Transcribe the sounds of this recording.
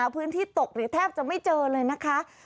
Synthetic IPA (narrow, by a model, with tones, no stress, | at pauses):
pʰɯː˦˥nt̪ʰiː˥˩t̪o˨˩k̚ɾɯː˨˩˦t̪ʰɛː˥˩p̚t͡ɕa˨˩ma˥˩jt͡ɕɤː˧lɤː˧jna˦˥kʰa˦˥